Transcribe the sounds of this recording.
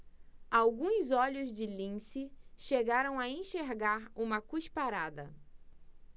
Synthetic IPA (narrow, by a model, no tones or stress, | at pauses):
awɡũzɔʎʊzd͡ʒɪlĩsɪʃeɡaɾɐ̃w̃aẽʃeɾɡaɾũmɐkuʃpaɾad̪ɐ